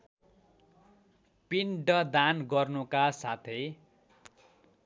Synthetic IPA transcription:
piɳɖʌd̪anɡʌrnukasat̪ʰe

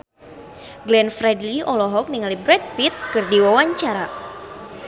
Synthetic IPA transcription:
ɡlɛnfɾɛdliʔɔlɔɦɔk̚niŋalibɾɛd̚pit̪̚kɨrdiwawaɲt͡ʃaɾa

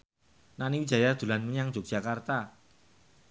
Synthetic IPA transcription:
naniŋid̥ʒ̥a̤jard̪̥ṳlanməɲaŋ̥ʒ̥o̤k̚ʒ̥a̤kart̪a

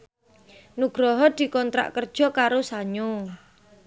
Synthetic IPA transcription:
nuɡ̥ɾɔɦɔd̪̥i̤kɔnt̪ɾa̰ʔkərd̥ʒ̥ɔ̤kaɾosaɲo

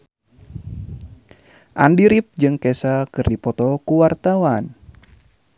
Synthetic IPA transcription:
ʔandiɾifd͡ʒɨŋkɛsakɨrdipɔt̪ɔkuwart̪awan

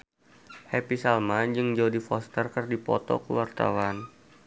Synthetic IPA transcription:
hɛpisalmad͡ʒɨŋd͡ʒaudifɔst̪ərkɨrdipɔ̰t̪ɔ̰kuwart̪a̰wan

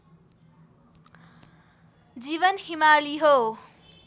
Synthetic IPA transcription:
d͡ʒiβʌnhimaːliɦo

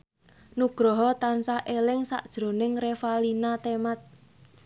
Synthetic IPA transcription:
nuɡ̥ɾɔɦɔt̪ansahʔelɪŋsa̰ʔd̥ʒ̥ɾo̤nɪŋrefalinat̪emat̪̚

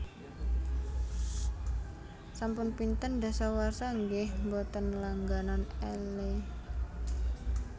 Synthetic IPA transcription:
sampʊnpint̪ənda̤sawarsaŋɡɪhmbɔt̪ənlaŋɡananɛle

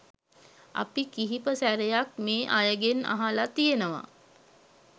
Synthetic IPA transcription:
a̰pikiɦipəsæɾejak̚meːʔajəɡena̰ɦalat̪ijenəʋa̰

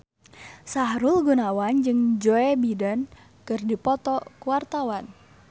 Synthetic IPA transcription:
saɦɾulɡunawand͡ʒɨŋd͡ʒoɛbidən | kɨrdipɔt̪ɔkuwart̪awan

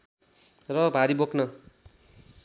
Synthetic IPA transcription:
rʌbʱaɾibokʰnʌ

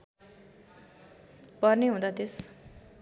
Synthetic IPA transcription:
pʌrneɦũd̪at̪es

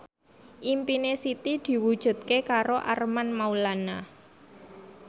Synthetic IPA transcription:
ʔimpinesit̪id̪̥i̤wud̥ʒ̥ṳt̪̚kekaɾoʔarmanmaulana

